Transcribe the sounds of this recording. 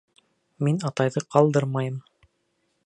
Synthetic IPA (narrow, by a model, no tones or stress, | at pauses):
minɑt̪ɑjðɤqɑlˠd̪ɤɾmɑjɤm